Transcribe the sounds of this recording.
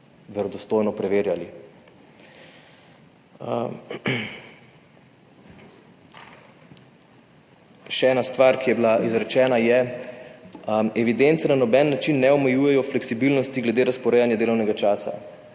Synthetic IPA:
ʋɛɾɔd̪ɔst̪oːjnɔpɾɛʋeːɾjali | ʃɛɛːnast̪ʋaɾkijɛbilaʔizɾɛt͡ʃɛːnajɛ | ɛʋid̪ɛnt̪sɛnanɔbɛnnːat͡ʃinːɛɔmɛjuːjɛjɔflɛksibilnɔst̪iɡlɛd̪eːɾaspɔɾɛjanjad̪eːlɔwnɛɡat͡ʃaːsa̰

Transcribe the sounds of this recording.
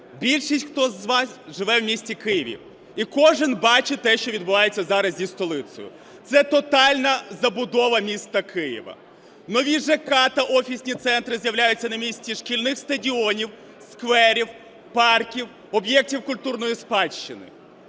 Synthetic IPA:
bʲilʲʃisʲtʲxt̪ɔzʋɑsʒɪʋɛwmʲisʲt͡sʲikɪjiʋʲḭ | ikɔʒɪnbɑt͡ʃɪt̪ɛʃt͡ʃɔʋʲid̪̚bʊʋɑjet͡sʲːɐzɑɾɐzʲzʲist̪ɔlˠɪt̪sɔ̰jʊ̰ | t̪sɛt̪ɔt̪ɑlʲnɐzɐbʊd̪ɔʋɐmʲist̪ɐkɪjḭʋɐ̰ | nɔʋʲiʒɛkɑt̪ɐʔɔfʲisʲnʲit̪sɛnt̪ɾɪzjɐwlʲajʊt͡sʲːɐnɐmʲisʲtʲiʂkʲilʲnɪxst̪ɐdʲiɔnʲiw | skʋɛɾʲiw | pɑrkʲiw | ɔbjɛk̚tʲiwkʊlʲt̪urnɔjispɑʃt͡ʃɪnɪ̰

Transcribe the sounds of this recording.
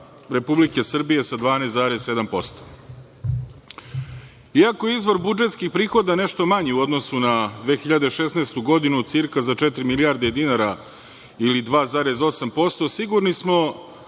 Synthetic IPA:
ɾe̞publike̞sr̩bije̞sad̪ʋaːnest̪aːɾesse̞d̪ampo̞st̪o̥ | iakojeizʋo̞ɾbud͡ʒe̞t̪skixpɾiːxo̞d̪ane̞ʃt̪o̞maɲiuod̪nosunad̪ʋeːxiʎad̪e̞ʃesneːst̪uɡo̞d̪inusiɾkazat͡ʃet̪ɾimiliaːɾd̪ed̪inaɾa | ilid̪ʋaːzaːɾezo̞sampo̞st̪o̞siɡuɾnismo̞

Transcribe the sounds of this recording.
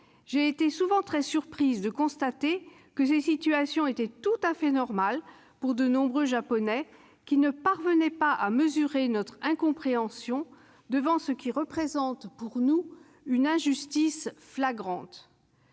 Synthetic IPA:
ʒeːt̪esuvɑ̃t̪χɛsyʁpχizd̪əkɔ̃st̪at̪e | kəsɛsit̪yasjɔ̃et̪ɛt̪ut̪afɛnɔʁmal | puʁd̪ənɔ̃bʁøʒapɔnɛ | kʲinəpaʁvənɛpaaməzyʁenɔt̪χɛ̃kɔ̃pχeɑ̃sjɔ̃ | d̪əvɑ̃səkʲiʁəpχezɑ̃t̪puʁnu | ynɛ̃ʒyst̪isflaɡʁɑ̃t̪

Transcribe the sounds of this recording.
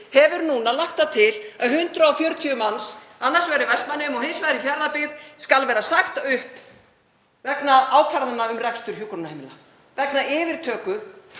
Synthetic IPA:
hɛvʏɾnuːnalaxt̪at̪ʰɪlaðɦʏnt̪ɾaɔfjœɾt̪ʰyʏmansanːaɾ̥svɛɾʏvɛst̪manːɪʏmɔɣɦeːnsvaðɾɪfjaɾðapɪðskalvɛːɾasaxt̪aʏhp | vɛknaaːwkʰvaɾaðanːaʏmrɛkst̪ʏɾ̥çjukʏɾnahɛjmɪla | vɛknaɪːvɪɾ̥t̪ʰœːkʏ

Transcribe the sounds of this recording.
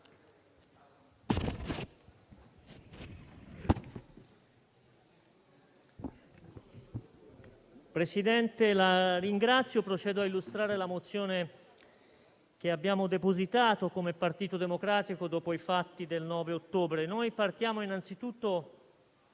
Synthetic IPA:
pɾesid̪ɛnt̪elariŋɡɾat̪sːjopɾot͡ʃɛːd̪oailːust̪ɾaːɾelamot̪sːjoːne | k̟eabːjaːmod̪epozit̪aːt̪okomepart̪iːt̪od̪emokɾaːt̪ikod̪ɔːpoifat̪ːid̪elnɔːveot̪ːoːbɾenojpart̪jaːmoinant̪sit̪ut̪ːo

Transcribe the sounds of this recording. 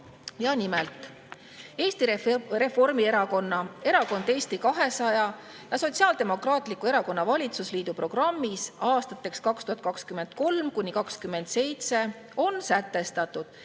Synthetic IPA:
jɑnimelt̪ˑ | e̞ːst̪ire̞fo̞rmieɾɑko̞nːɑe̞ɾɑko̞nd̪̥e̞ːst̪ikɑɦe̞sɑjɑ | jɑso̞t̪siɑːld̪̥e̞mo̞krɑːt̪ˑlikːˑue̞ɾɑko̞nːɑvɑlʲit̪susliːd̪upro̞ɡ̥rɑmːisɑːst̪ɑt̪ːˑe̞kskɑkst̪uhɑt̪̚kɑkskyme̞nd̪̥̚ko̞lmkunʲːikɑkskymːe̞nd̪̥se̞jt̪se̞ | o̞nsæt̪ːˑe̞st̪ɑt̪ːˑud̪̥

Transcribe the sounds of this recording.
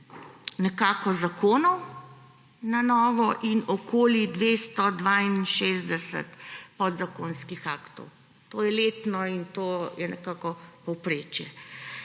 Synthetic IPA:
nɛkaːkɔzakoːnɔw | nanɔːʋɔʔinɔkoːlid̪ʋest̪ɔd̪ʋainʃeːzd̪ɛsə̰t̪pɔd̪zakonskixakt̪ɔ̰w | t̪ojɛleːt̪nɔint̪oːjɛnɛkakɔpɔwpɾeːt͡ʃjɛ

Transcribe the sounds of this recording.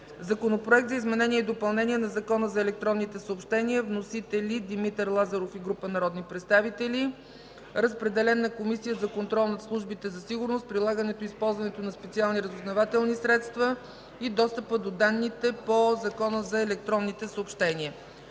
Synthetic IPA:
zɐkonopɾoɛk̚t̪zəizmɛnɛniɛid̪opɐlˠnɛnʲiɛnɐzɐkɔnəzɐɛlɛk̚t̪ɾɔnːit̪ɛsəopʃt̪ɛniəvnosit̪ɛlid̪imit̪ɛɾlˠazɐɾofiɡɾupənɐɾɔd̪nipɾɛt̪st̪avit̪ɛli | ɾəspɾɛd̪ɛlɛnːɐkomisijəzɐkont̪ɾɔlˠnɐslˠuʒbit̪ɛzɐsiɡʊɾnost̪̚pɾilˠaɡənɛt̪oispɔlˠzvɐnɛt̪onɐspɛt̪sialˠniɾəzoznɐvat̪ɛlˠnisɾɛt̪st̪və | id̪ɔst̪əpəd̪od̪anːit̪ɛpozɐkɔnəzɐɛlɛk̚t̪ɾɔnːit̪ɛsəoːpʃt̪ɛniə

